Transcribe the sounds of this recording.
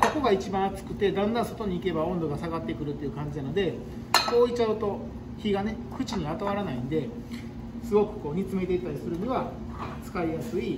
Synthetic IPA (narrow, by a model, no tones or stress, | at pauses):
so̞ko̞ɡait͡ɕibãɰ̃at͡sɨ̥kɯ̟t̪e̞d̪ãnd̪ãɰ̃so̞t̪o̞ɲ̟iːke̞baõ̞nd̪o̞ɡasaɡat̪ːe̞kɯ̟ɾɯ̟t̪ːe̞iɯ̟kãɲ̟d͡ʑinano̞d̪e̞ | ko̞ːit͡ɕaɯ̟t̪o̞ | çiɡane̞kʰɯ̟t͡ɕiɲ̟iβat̪aβ̞aɾanaĩnd̪e̞ | sɨɡo̞kɯ̟̥ko̞ːɲ̟ʲit͡sɨme̞t̪eit̪ːaɾʲisɨɾɯ̟ɲʲiβa | t͡sɨ̥kaijasɨi